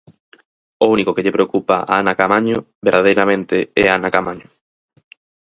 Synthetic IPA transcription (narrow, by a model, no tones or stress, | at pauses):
ounikokeʎepɾeokupaʔaanakamaɲo | beɾðað̞ejɾamẽnt̪eɛaanakamaɲo